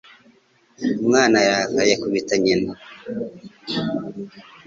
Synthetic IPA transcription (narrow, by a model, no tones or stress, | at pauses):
mŋaːnajakajakuβitaɲina